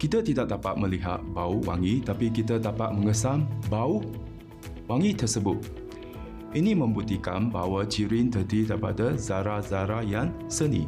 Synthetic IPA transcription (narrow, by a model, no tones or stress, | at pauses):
kit̪at̪idak̚dapat̪̚mə̃liɦa̰t̪̚bauwa̰ŋit̪apikit̪ədapat̪̚məŋəsambau | waŋit̪ərsəbʊt̪̚ | ʔinĩmə̃mbut̪ikanba̰wat͡ʃiɾint̪ərdid̪aɾpa̰dazaɾazaɾajan | sənḭ̃